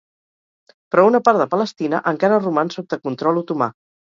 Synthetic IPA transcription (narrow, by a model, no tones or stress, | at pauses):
pɾɔunəpaɾðəpələst̪inəʔəŋkaɾərumansot̪əkunt̪ɾɔluwt̪uma̰